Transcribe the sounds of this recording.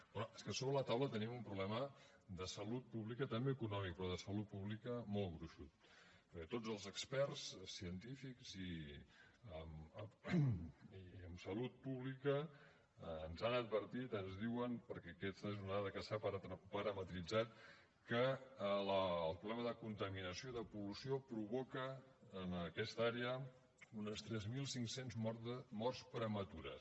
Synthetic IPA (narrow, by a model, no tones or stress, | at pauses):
bɔne̥skəsoβɾələt̪awlət̪ənimumpɾuβlɛmə | d̪əsəlut̪̚puβlikət̪əmbeəkunɔmik̚pɾɔðəsəlut̪̚puβlikəmolˠɣɾuʃut̪̚ | pəɾkɛt̪od͡zəlˠzəkspɛɾssiənt̪ifikz̥i | əmə | iəmsəlut̪̚puβlikəː | nzanəd̪̚βəɾt̪it̪ənzðiwənpəɾkɛkɛst̪əzuunaðəkəsapəɾt̪pəɾəmət̪ɾid͡zat̪̚ | kələːlˠpɾuβlɛməðəkunt̪əminəsijoiðəpulusiopɾuβɔkəːnəkɛst̪aɾeə | unəst̪ɾɛzmilˠsiŋksenzmɔrspɾəmət̪uɾə̰s